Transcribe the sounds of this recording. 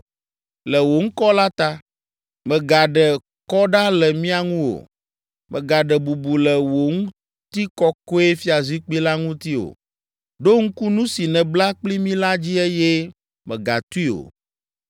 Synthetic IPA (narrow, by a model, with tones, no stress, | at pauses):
lɛ˨wo˨ŋ̩˦kɔ˦la˦t̪a˦ | mɛ̃˨ɡa˨ɖɛ˨ | kɔ˦ɖa˦lɛ˨mĩ˦a˨ŋũ˦wo̰˨ | mʔɛ̰̃˨ɡa˨ɖɛ˨bu˨bu˨lɛ˨wo˨ŋũ˦ | t̪i˦kɔ˦ko˦e˦fi˦a˨zi˦k͡pi˦la˦ŋũ˦t̪i˦o̰˨ | ɖo˦ŋ̩˦ku˦nũ˦si˨nɛ̃˨bla˦k͡pli˦mĩ˦la˦d͡ʑi˦e˦jɛ˦ | mɛ̰̃˨ɡa̰˨t̪u˦i˦o̰˨